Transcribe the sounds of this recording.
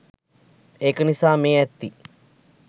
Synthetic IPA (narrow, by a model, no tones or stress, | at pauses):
ekənisaːmeːɛt̪ːi